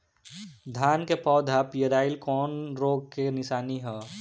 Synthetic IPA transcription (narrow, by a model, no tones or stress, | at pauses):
d̪ʱaːnkepɔːd̪ʱɦapijəɾaːɪlkɔːnɾoːɡ̚kenɪʃaːniɦɛː